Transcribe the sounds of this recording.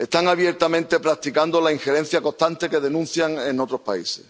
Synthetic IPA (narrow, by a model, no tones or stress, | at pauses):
e̞st̪aŋaβje̞ɾt̪amẽ̞nt̪e̞pɾak̚t̪ikand̪olaiŋxe̞ɾẽ̞n̟θjako̞ht̪ant̪e̞ke̞ðe̞nũn̟θjaŋenot̪ɾo̞hpa̰ḭse̞̰s